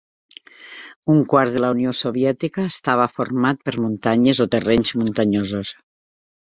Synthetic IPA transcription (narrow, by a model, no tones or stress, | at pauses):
uŋkwaɾðəlauniosoβjɛt̪ikəːst̪aβ̞əfoɾmat̪̚pəɾmunt̪aɲəzot̪ereɲzmunt̪aɲozos